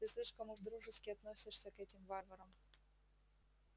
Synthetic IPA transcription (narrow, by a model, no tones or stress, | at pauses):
t̪ɨslʲiʂkəmʊʐd̪ɾuʐɨskʲɪɐt̪nosʲɪʂsʲəkɛtʲɪmvavəɾəm